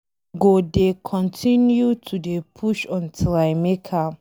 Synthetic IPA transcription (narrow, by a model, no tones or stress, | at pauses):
ɡodekʰɔ̃ntʰĩnjutʰudepʰuʃɔ̃ntʰilaɪmekʰa